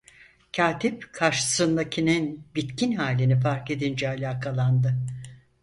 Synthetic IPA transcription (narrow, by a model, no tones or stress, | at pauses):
cʰaːt̪ʰipkʰaɾʃɯ̥sɯnd̪acʰininbit̪cʰinɦaːlʲinifaɾke̞d̪ind͡ʒɛalʲaːkʰalˠand̪ɯ